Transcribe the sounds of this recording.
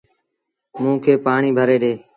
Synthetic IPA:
mũːkʰeːpaːɳiːbʱəɾeːɗeː

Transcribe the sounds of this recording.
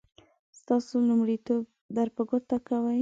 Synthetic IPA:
st̪ɑsolumɽit̪ob̚ | d̪aɾpaɡot̪akawəj

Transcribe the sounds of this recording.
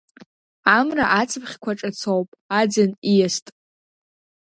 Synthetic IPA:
amraʔat͡sʰɨpʰχʲkʷʰaʈ͡ʂʼat͡sʰowpʼad͡zanijastʼ

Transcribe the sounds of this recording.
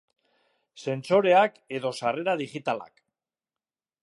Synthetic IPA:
se̞nso̞ɾe̞ake̞ðo̞sare̞ɾaðiɣit̪ala̰k

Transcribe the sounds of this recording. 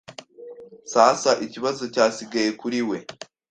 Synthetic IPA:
saːsaʔiciβazo̞caːsiɡaje̞kuɾiwe̞

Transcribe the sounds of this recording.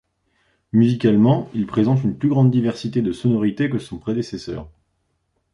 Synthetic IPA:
myzikalmɑ̃ilpχezɑ̃t̪̬ynplyɡʁɑ̃d̪d̪ːivɛʁsit̪ed̪əsɔnɔʁit̪ekəsɔ̃pχed̪esesœ̰ːʁ

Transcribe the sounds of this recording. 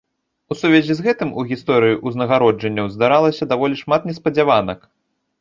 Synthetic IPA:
usuvʲɛzʲizɣɛt̪ɨmuɣʲist̪ɔɾɨjiʔuznɐɣaɾɔd͡ʐɐnʲːɐwzd̪aɾalˠɐsʲɐd̪avɔlʲiʂmat̪nʲɛspɐd͡zʲavanɐk

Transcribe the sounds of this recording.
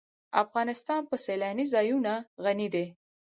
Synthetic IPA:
afɣɑnɪst̪ɑnpəselɑnizɑjunaɣanid̪e

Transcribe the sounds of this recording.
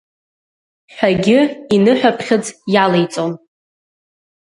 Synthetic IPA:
ħʷᶣaɡʲɪinɨħʷᶣapʰχʲɪɨd͡zjalejt͡sʼon

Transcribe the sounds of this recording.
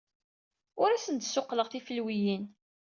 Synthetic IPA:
ʊɾæsənt̪sːʊqːləʁθifəlwijin

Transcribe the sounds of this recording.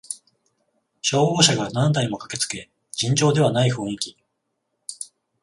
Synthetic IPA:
ɕo̞ːɡo̞ːɕaɡanãnd̪aimo̞kḁke̞t͡sɨ̥ke̞ | d͡ʑĩɲ̟d͡ʑo̞ːd̪e̞β̞anaiɸɯ̟ɯ̃ŋkʲi̥

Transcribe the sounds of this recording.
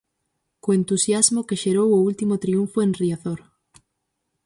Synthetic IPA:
koent̪usjazmʊkeʃeɾowʊult̪imot̪ɾiuɱfoenriaθoɾ

